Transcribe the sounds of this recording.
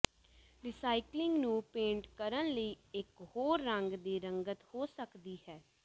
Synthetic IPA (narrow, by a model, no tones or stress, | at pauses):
ɾɪsaːiklɪ̃ŋɡnũːpẽːɳʈkəɾənləiːɪkhoːɾːəŋɡd̪iːɾəŋɡət̪hoːsəkd̪iːhɛː